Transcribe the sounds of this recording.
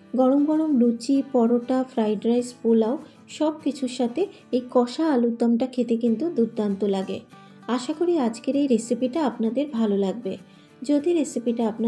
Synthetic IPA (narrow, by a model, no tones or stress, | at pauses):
ɡɔɽomɡɔɽomɾut͡ɕipɔɾoʈafɾajɖɾajspolao | ʃɔb̚kit͡ɕʰuɾʃat̪e | ejkɔʃaːlud̪ːamʈakʰet̪ekint̪ud̪uɾd̪ant̪olaɡḛ | aʃakoɾiad͡ʑkeɾejɾesipiʈaapnad̪eɾbʱalolaɡ̚be | d͡ʑod̪iɾesipiʈaapna